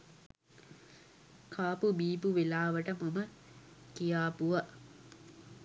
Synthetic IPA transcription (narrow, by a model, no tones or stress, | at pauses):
kʰaːpubiːpuʋelaːʋəʈəmɐmə | kijaːpuʋɐ